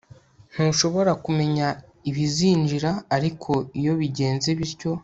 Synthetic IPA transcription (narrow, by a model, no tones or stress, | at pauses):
n̥huːʃo̞βo̞ɾakume̞ɲa | iβiziːɲd͡ʒiɾaːɾikʰo̞ijo̞βiɟe̞ːnzeβiɾco̞